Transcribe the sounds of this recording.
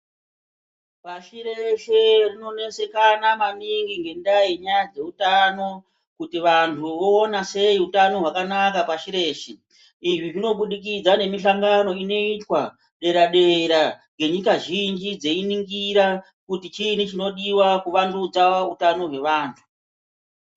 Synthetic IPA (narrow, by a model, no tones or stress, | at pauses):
paʃiɾeʃerino̞ne̞se̞kanamaniŋɡiŋɡe̞ndajiɲajad͡ze̞utano̞ | kutiʋantʰuʋo̞ːnase̞iutano̞ɦwakanakapaʃiɾe̞ːʃe | iʐiʐino̞ɓuɗikid͡zane̞miʃaŋɡano̞ino̞itwa | ɗe̞ɾaɗe̞ɾaŋɡe̞ɲikaʒind͡ʒid͡ze̞iniŋɡiɾa | kutit͡ʃinit͡ʃino̞ɗiwakuʋandud͡zaautano̞ɦwe̞ʋaːntʰu̥